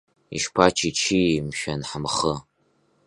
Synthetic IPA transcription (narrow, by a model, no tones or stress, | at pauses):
ḭʃpʰat͡ʃʰit͡ʃʰimʃɐnħəmχə